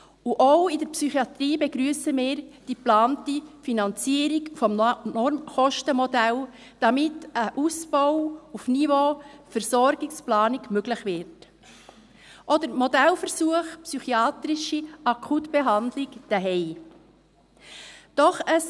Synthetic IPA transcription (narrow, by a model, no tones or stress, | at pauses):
uʔowɪdəɾpsyχiɑt̪riːbɛɡɾyːsəmɪːɾd̥iplɑːntifinɑnt͡siəɾikfɔmnɔɾmχɔʃtəmɔdæl | d̥ɑmɪtəʔusb̥ɔwufnivofəɾsɔɾɡɪksplɑːniɡmøɡləχʋɪɾt | ʔɔdəɾmɔdælfəɾsuəχpsyχiɑːt̪ɾɪʃiɑkʰutb̥ɛɦɑndlɪkd̥əɦɛɪ | d̥ɔχəs